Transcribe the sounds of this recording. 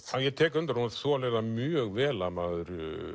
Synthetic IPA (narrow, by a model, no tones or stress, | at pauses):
awjɛt̪ʰɛːkʏnt̪aɾhunaθɔlɛðamjœːɣvɛːlamaðʏɾ